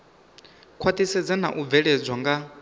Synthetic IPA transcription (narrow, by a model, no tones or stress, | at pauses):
kʰwat̪isɛd͡zana̰ʔub̪vɛɺɛd͡zwaŋɡa